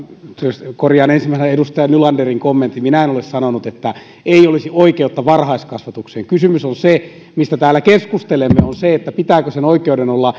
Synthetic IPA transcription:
t̪yøskorjɑːnensimːˑæsenedust̪ɑjɑnylɑnderiŋkomːent̪ːiminæenolessɑnonut̪et̪ːæ | eiolisioikeut̪ːɑʋɑrhɑiskɑsʋɑt̪ukseːŋkysymysonse | mist̪æt̪æːlːˑækeskust̪elemːeonseet̪ːæpit̪æːkøsenoikeudenolːɑ

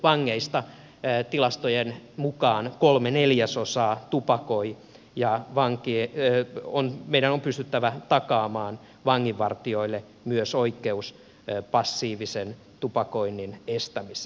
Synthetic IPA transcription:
ʋɑŋːeist̪ɑ | t̪ilɑst̪ojenmukɑːnkolmeneljæsosɑːt̪upɑkoi | jɑʋɑŋkie | onmeiɾænompyst̪yt̪ːæʋæt̪ɑkɑːmɑːn | ʋɑŋːiʋʋɑrt̪ioilːe | myøsoikːeus | pɑsːiːʋisen | t̪upɑkoinːinest̪æmis

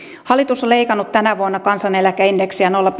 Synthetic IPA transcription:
hɑlːˑit̪usoleikɑnːut̪t̪ænæʋuonːɑkɑnsɑnelækæindeksiænolːɑp

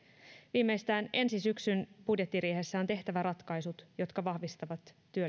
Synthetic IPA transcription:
ʋiːmːe̞jst̪æːne̞nsisyksynpudje̞t̪ːiɾieɦe̞sːæo̞nt̪e̞ht̪æʋæɾɑt̪kɑjsut̪jo̞t̪kɑʋɑhʋist̪ɑʋɑt̪ːyø

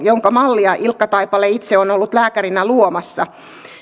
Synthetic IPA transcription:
joŋkɑmɑlːiɑʔilkːɑt̪ɑipɑlːeit̪seonolːut̪læːkæɾinæluomɑsːɑ

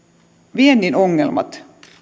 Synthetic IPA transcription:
ʋiend̪inoŋːelmɑ̰t̪

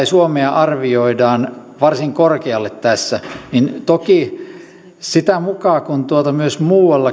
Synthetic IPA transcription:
isuomeɑʔɑrʋioidɑːn | ʋɑrsiŋkorkeɑlːet̪t̪æsːænint̪oki | sit̪æmukɑːkunt̪uot̪ɑmyøsmuːwɑlːɑ

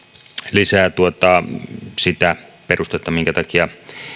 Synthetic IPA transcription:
lisæːt̪uot̪ɑsit̪æperust̪et̪ˑːɑmiŋkæt̪ɑkiɑ

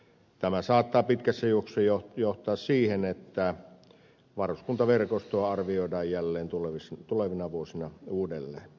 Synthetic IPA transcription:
t̪æmæsɑːt̪ːɑːpit̪kæsːæjoksˑejojoht̪ˑɑːssiːhenet̪ːæ | ʋɑroskunt̪ɑʋerkost̪oɑɑrʋioˑidɑːjjælːeːnt̪uleʋist̪uleʋinɑʋuosinɑuːdelːḛːn

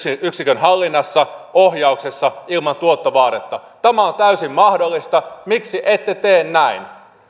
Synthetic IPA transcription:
yksikønɦɑlːinːɑsːɑohjɑuksesːɑilmɑnt̪uot̪ːɑʋɑːt̪et̪ːɑt̪æmæont̪æysimmɑhdolːist̪ɑmiksiʔet̪ːet̪eːnnæin

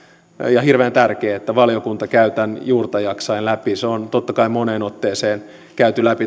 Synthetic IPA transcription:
jɑhirʋeːnt̪ærkeːet̪ːæʋɑlijokunt̪ɑkæyt̪ænjuːrt̪ɑjɑksɑinlæpiseont̪ot̪ːɑkɑimoneːnot̪ːeːseːn | kæyt̪ylæpi

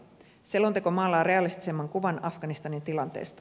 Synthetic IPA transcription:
selːot̪ekomɑːlːɑːɾe̞ɑlist̪i̥semːɑŋkuʋɑnɑfɡ̥ɑnist̪ɑnint̪ilɑnt̪e̞̰ːst̪ɑ̥

